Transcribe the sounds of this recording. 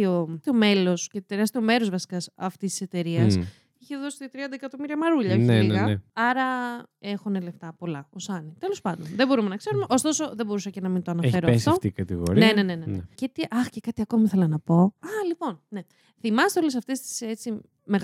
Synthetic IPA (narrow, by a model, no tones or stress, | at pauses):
ot̪eo̞me̞lo̞scet̪eɾɐst̪eo̞me̞ɾo̞zvɐsi̥kɐsɐft̪ist̪i̥se̞t̪e̞ɾiɐs | içe̞ðo̞si̥t̪t̪ɾiɐnd̪ɐekɐt̪o̞miɾiɐmɐɾuʎɐoçeiɣɐɐɾɐe̞xunele̞ft̪ɐpo̞lɐosɐnit̪e̞lo̞spɐnd̪o̞nðebo̞ɾume̞nɐkse̞ɾumeʔo̞st̪o̞so̞ðe̞bo̞ɾusɐcenɐmint̪oɐnɐfe̞ɾoest̪oɐft̪ikɐt̪ḭɣo̰ɾinene̞nenencet̪iʔɐxcekɐt̪iɐko̞miθe̞lɐnɐpo̞ɐlipo̞nne̞ | θimɐset̪eole̞sɐft̪e̞st̪i̥se̞t͡si | me̞ɣ